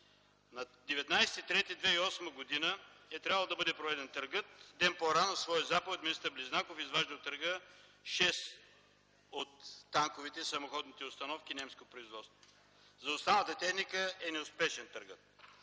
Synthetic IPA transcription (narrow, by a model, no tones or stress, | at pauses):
nɐd̪ɛvɛt̪najsɛ̥t̪it̪ɾɛt̪id̪vɛiɔsməɡod̪inəɛt̪ɾʲjavəlˠd̪ɐbɤd̪ɛpɾovɛd̪ɛnt̪əɾɡɤət̪̚d̪ɛnpoɾanɐsvɔjəzapəvot̪mʲinist̪əɾbliznakofizvaʒd̪əot̪əɾɡəʃɛs | ot̪ːaŋkovit̪ɛisɐmoxɔd̪nit̪ɛʊst̪ɐnɔfkʲinɛmskot̪pɾoizvɔt̪st̪vo | zɐʊst̪anət̪ət̪ɛxnikəɛnɛʊspɛʃɛnt̪əɾɡət̪̚